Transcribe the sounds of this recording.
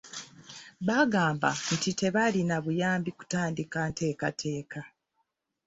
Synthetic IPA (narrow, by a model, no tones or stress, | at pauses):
βaɡaːmba̰n̩tite̞βalinaβujaːmbiku̥taːndikante̞ːkatʰe̞ːka